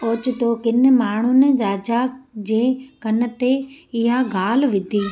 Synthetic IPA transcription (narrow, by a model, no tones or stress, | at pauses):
oːt͡ɕʊt̪okɪn̆maːɳ̤ʊnɪ̆ɾaːd͡ʑad͡ʑeːkɐnə̆t̪eɪɦaɡʱaːlʋɪd̪ʱiː